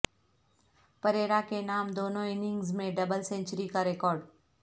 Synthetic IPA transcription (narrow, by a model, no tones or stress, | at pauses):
pɐɾeːɾakenaːmd̪oːnõɪnɪ̃ŋɡzmẽɖɐbəlsɛ̃ɲt͡ʃəɾikaɾekɔːɾɖ